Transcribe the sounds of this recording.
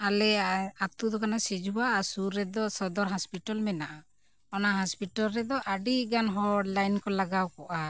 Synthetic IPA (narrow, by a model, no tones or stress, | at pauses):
alɛat̪ud̪ɔkanasid͡ʒʱuwaːsuɾːɛd̪ɔsɔd̪ɔɾɦɔspiʈalmɛnaʔa | ɔnaɦɔspiʈalɾɛd̪ɔʔaɖiɡanɦɔɖlajnkɔlaɡawkɔʔa